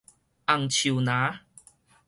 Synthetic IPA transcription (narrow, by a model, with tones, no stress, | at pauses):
ʔa˨˩ŋt͡ɕʰu˨˩˨nãː˨˦